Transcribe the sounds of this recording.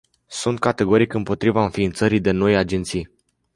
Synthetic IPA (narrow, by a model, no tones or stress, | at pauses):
sunt̪̚kat̪e̞ɡo̞ɾikɨmpo̞t̪ɾivaɨnfiːnt̪səɾijd̪e̞no̞jad͡ʒe̞nt̪sij